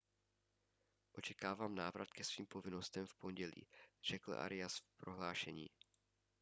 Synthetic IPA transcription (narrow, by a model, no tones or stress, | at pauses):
ʔo̞t͡ʃɛkaːvaːmnaːvɾat̪kɛsviːmpo̞vɪnost̪ɛmfpo̞nɟɛlḭːr̝̥ɛkl̩ʔa̰ɾɪjasfpɾʔo̞ɦlaːʃɛɲḭː